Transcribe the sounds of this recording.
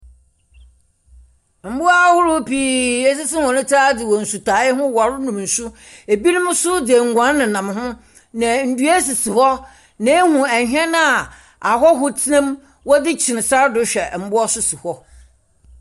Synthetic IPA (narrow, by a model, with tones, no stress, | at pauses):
m̩˨˦bʊ˦a˦hʊ˦ɾʊ˦pʰiː˦e˦s̬ɪ˦sɪ˦hɔ̃˨nʊ̃˦tʰa˦dɪ˨wɔ˨n̩˨su˨tʰaː˨˦ɪ˦ɦʊ̃˦wa˨ɾʊ˦nũ˨m˨n̩˨sʊ˦ | e˨bi˦nʊ̃˦m˦sʊ˦dɪ˨ŋ̩˨ɡʷã˨˦n˦nɪ̃˨nã˨m˦ɦʊ̃˦ | nã˨n̩˨du˦ɛ˦s̬i˨si˨hɔ˦ | nã˨˦hũ˨ɛ˨ɦᶣɛ̃˦nã˦a˨ | a˨ɦɔ˦ɦʊ˦tʰɪ˦nã˦m | wɔ˦dɪ˦t͡ɕʰɪ˨nɪ̃˨sa˦dʊ˨˦ɕᶣɛ˨m̩˨˦bʊ˦ɔ˦sʊ˦si˨hɔ˦